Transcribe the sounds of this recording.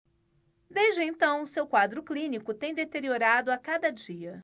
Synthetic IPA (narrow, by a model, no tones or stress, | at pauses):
d̪eʒd͡ʒɪẽnt̪ɐ̃w̃ʊsewkwad̪ɾʊklĩnikʊt̪ẽj̃d̪et̪eɾioɾad̪ʊakad̪ɐd͡ʒiɐ